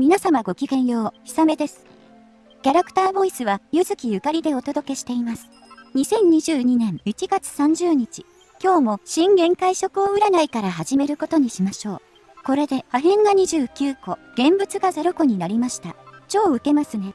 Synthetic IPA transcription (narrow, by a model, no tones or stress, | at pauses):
mʲinasamaɡo̞kʲikẽ̞ɰ̃jo̞ːçi̥same̞d̪e̞sɨ̥ | kʲaɾakt̪aːbo̞isɨβajɯzɨkʲijɯ̟kaɾʲid̪e̞o̞t̪o̞d̪o̞ke̞ɕi̥t̪e̞imasɨ̥ | ɲ̟isẽ̞ɲ̟ɲiʑɨːɲ̟inẽ̞ŋit͡ɕiɡat͡sɨ̥sãɲ̟d͡ʑɨːɲ̟it͡ɕi | kʲo̞ːmo̞ɕĩŋɡẽ̞ŋkaiɕo̞kɯ̟o̞ɯ̟ɾanaikaɾaɦaʑime̞ɾɯ̟ko̞t̪o̞ɲ̟iɕimaɕo̞ː | ko̞ɾe̞d̪e̞haɦẽ̞ŋɡaɲ̟iʑɨːkʲɨːko̞ɡ̥ẽ̞mbɯ̟t͡sɨɡaze̞ɾo̞ko̞ɲ̟inaɾʲimaɕi̥t̪a̰t͡ɕo̞ːɯ̟ke̞masɨne̞